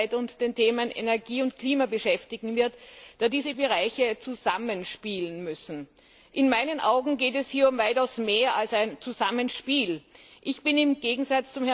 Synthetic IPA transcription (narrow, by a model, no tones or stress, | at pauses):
ɪtʊntd̥eːntʰeːmənʔḛnɛɐɡiːʊntkʰliːmabəʃɛftɪɡŋ̩vɪɐtd̥aːdiːzəbəʁ̞aɪçət͡suzamənʃpiːlənmʏsn̩ | ʔɪnmaɪnənʔaʊɡŋ̩ɡeːtɛshiːɐʊmvaɪtaʊsmeːɐalsaɪnt͡suzamənʃpiːlʔɪçb̥ɪnɪmɡeːɡŋ̩zat͡st͡sʊmhɛ